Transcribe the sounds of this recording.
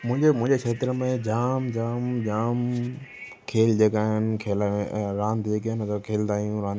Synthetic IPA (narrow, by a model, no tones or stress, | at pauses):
mʊ̃ɦɪ̃ɲd͡ʑemʊ̃ɦɪ̃ɲd͡ʑekʰeːt̪ɪɾmẽd͡ʑaːmd͡ʑaːmd͡ʑaːm | kʰeːld͡ʑeːkaːɦɪnɪkʰeːlaɾãːnd̪d͡ʑeːk̬iaːɦɪnt̪kʰeːld̪aːijũɾãːn